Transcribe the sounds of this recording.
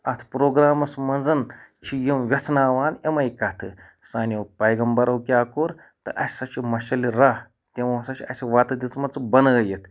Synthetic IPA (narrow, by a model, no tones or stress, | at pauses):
ɐt̪ʰpɾoːɡɾaːmɐsmɐnd͡zɐnt͡ʃʰijemʋʲɐt͡sʰnaːʋaːnemɐjkɐt̪ʰɨ | saːnʲjowpɐjɡɐmbɐɾɐwkʲiaːkoːɾ | t̪ɨ̰ʔɐsʲi̥sɐt͡ʃimɐʃɐliɾah | t̪ewɐɐsɐt͡ʃiɐsʲiʋaːt̪ɐd̪it͡smɐt͡sɨbɐnɐjet̪ʰ